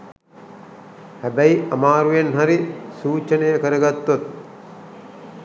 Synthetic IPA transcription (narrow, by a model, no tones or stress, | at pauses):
hæbæiʔɐmaːɾujenɦaɾisuːt͡ʃənejəkəɾəɡat̪ːot̪̚